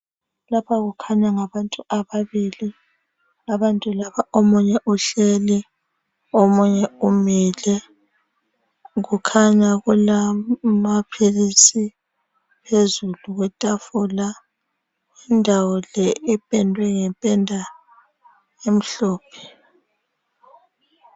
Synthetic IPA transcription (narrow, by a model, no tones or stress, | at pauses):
lapʰaɣukʰaɲaŋaβantʼuaβaβili | aβantʼulaβaʔomuɲɛʔuɬeli | omuɲɛumiːlɛ | ɣukʰaɲaɣulamapʰilisi | pʰezuluɣwɛtʼafula | indʱawɔlɛʔɛpʼɛndʱwɛŋɛmpʼɛndʱa | em̩ɬɔːpʰɛ̥